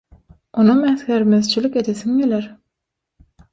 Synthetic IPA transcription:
onumæθxeɾmeðt͡ʃʰilike̞d̪eθiŋɡeleɾ

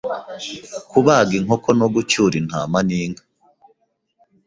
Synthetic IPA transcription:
kuβaɡiŋokonoɡut͡ʃuːɾin̥ha̰ːmaniːŋɡa

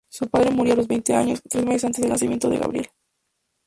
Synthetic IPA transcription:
supaðɾe̞muɾjoalo̞zβejnt̪e̞a̰ɲo̞st̪ɾe̞zmeses̬ant̪ezðelnas̬imjent̪o̞ðeɣa̰βɾje̞̰l

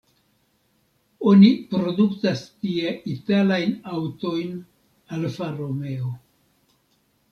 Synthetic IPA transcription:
o̞nipɾo̞duktastieʔitalajnawto̞jn | alfaɾome̞o

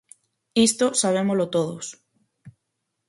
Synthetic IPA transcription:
ist̪osaβ̞emolot̪oðos

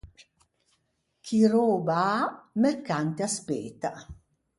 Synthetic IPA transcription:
kʰiɾoːbaamɛɾkant̪easpeːt̪a

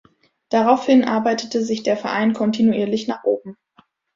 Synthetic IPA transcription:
d̥aʁaʊfhɪnʔa̰ɐbaɪtətʰəzɪçd̥eːɐfɛɐʔa̰ɪnkʰɔntinuʔiːɐlɪçnaːχʔoːb̚m̩

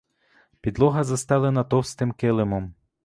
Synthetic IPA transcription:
pʲid̪lˠɔɦɐzɐst̪ɑlˠɐnɐt̪ɔwst̪ɪmkɪlˠɪmɔm

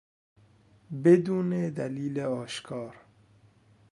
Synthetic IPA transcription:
bed̪uːned̪æliːleɒːʃkʰɒːɾ

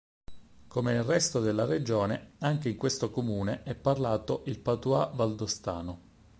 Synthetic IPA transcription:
komenelrɛst̪od̪elːared͡ʒoːneaŋk̟eiŋkwest̪okomuːneʔɛpːarlaːt̪oʔilpat̪uavald̪ost̪a̰ːno

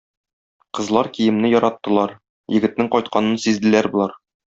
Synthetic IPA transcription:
qɤ̆zlˠɑɾkijɘ̆mnɘjɒɾɑt̪ːɤ̆lˠɑɾ | jɘ̆ɡɘ̆t̪nɘŋqɒjt̪̚qɑnɤnsizd̪ɘ̆læɾbŭlˠɑɾ

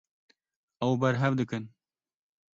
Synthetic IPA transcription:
ɛwbɛɾɦɛvd̪ɨkɨn

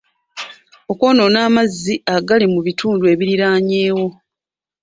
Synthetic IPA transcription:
o̞ko̞ːno̞naːmazːiaɡalimuβitʰuːndue̞βiɾiɾaːɲe̞ːwo̞

